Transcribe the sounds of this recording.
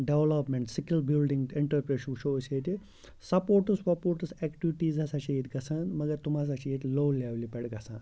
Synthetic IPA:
ɖeʋlɐpmeɳʈsikilbilɖĩŋɡiɳʈɐɾpɾeːʃukʃoseːt̪i | sɐpoːɾʈuspɐpoːɾʈusekʈiʋiʈiːzasat͡ʃʰiit̪ɡɐsaːnmɐɡɐɾt̪umas̬at͡ʃʰeit̪loːleʋlipeɽɡɐsa̰ːn

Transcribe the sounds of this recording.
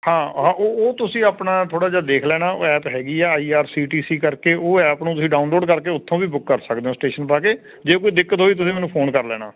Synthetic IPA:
hãːɦãːʔoːoːt̪ʊsĩːaːpnaːt̪ʰoːɽaːd͡ʒed̪eːkʰlɛːnaːo̰ːɛːpɦɛːɡiːɛːaːiːaːɾsiːʈiːsiːkəɾkeːʔoːɛːpnũːt̪ʊsĩːɖaːʊnloːɖkəɾkeːʊt̪ʰːõːʋiːbʊkːəɾsəkd̪eːɦõsʈeːʃənpaːkeː | d͡ʒeːkoːiːd̪ɪkːət̪ɦoːiːt̪̬ʊsĩːmɛːnũːpʰoːnkəɾlɛːna̰ː

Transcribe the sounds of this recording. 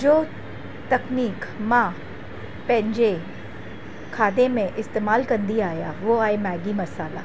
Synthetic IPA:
d͡ʑoː | t̪ɐkniːkmã | pɐ̃ɦɪ̃ɲd͡ʑe | kʰaːd̪emẽʔɪst̪eːmaːlkɐ̃nd̪iaːjaʋoaːemɛːɡimɐsaːla̰

